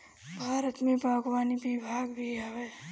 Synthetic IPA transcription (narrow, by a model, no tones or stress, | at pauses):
bʱaːɾət̪mẽbʱaːɡwaːnibibʱaːɡbʱiɦəʋe